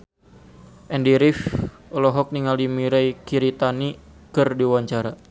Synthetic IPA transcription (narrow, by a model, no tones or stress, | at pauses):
ʔɛndiɾif | ɔlɔɦɔk̚niŋalimiɾajkiɾit̪anikɨrdiwaɲt͡ʃaɾa